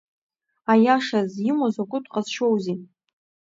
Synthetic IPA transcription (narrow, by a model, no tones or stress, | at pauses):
ajaʂazjimozakʷʼʊtʷʰʼqʼazʃowzin